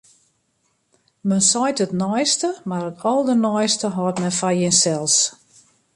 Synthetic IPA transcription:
mənsɔjtətnɔjstəmarətʰɔlˠdənɔjstəɦɔːtmɛnfajɪnsɛlˠs

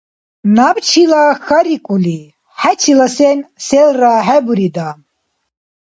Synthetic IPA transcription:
nabt͡ʃʰilaxaɾikʼuli | ħæt͡ʃʰilasɛnsɛlraɦɛbuɾid̪a

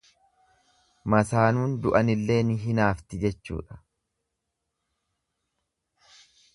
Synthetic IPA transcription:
mɐsaːnuːnd̪ʊʔɐnɪlːe̞ːnɪɦɪnaːft̪ɪd͡ʒɛt͡ʃːṵːᶑɐ̥

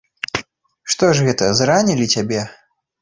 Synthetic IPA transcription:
ʂt̪ɔʐɣɛt̪ɐzɾanʲilʲit͡sʲabʲɛ

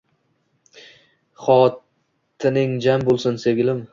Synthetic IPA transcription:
χɒt | t̪ʰɪnɪŋd͡ʒambolˠsɪnseɡʲɪlɪm

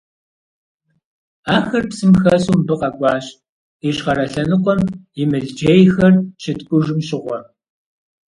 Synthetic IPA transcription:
aːxɐrpsɨmxɐsumbɨqɐkʷʼɑːɕ | iɕχɐɾɐɬɐnɨqʷɔmjɪmɨɮd͡ʒeːjxɐrt͡ʃʰɪtkʷʼʊʒɪmɕɪʁʷɔ

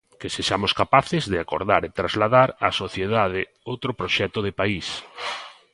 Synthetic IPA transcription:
kɪseʃamʊskapaθɪzðɪako̰ɾðaɾet̪ɾazlaðaɾasoθjeðaðɪ | owt̪ɾʊpɾoʃɛt̪ʊðɪpais

